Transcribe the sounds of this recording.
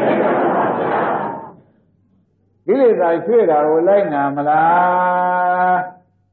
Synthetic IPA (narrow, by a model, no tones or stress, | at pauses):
ɡilet̪ajtʰweɾaɡolaɪʔnaməla